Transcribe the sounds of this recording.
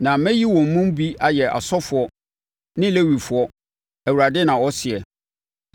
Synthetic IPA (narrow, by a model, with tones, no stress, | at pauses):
nã˨mɛ̃˦ji˦wɔ̃˨m̩˨mũ˦m˦bi˦a˨jɛ˨ʔa̰˨sɔ˦fʊ˨ɔ˦ | nɪ̃˦le˦wi˨fʊ˨˦ɔ˦ | æ˨u˨ɾa˨dɪ˦nã˨wɔ˦sɪ˨ɛ˨